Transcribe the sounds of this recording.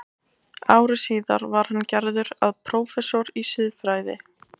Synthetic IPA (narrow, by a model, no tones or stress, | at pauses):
aːwɾɪsiːða̰ɾvaɾ̥hanːcɛɾðʏɾaðpʰɾɔːwfɛsɔɾisɪðfɾaːjðɪ̰